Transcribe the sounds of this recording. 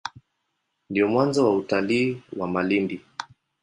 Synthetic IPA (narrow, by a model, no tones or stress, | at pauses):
ndiɔmwanzɔwautaliːwamalimbi